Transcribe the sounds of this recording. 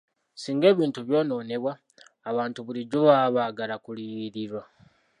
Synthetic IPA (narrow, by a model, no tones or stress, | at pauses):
siːŋɡe̞ːβiːntuβjo̞ːno̞ːne̞βwaː | βaːntuβuliɟuβaβaːɡalakuliiɾiɾwa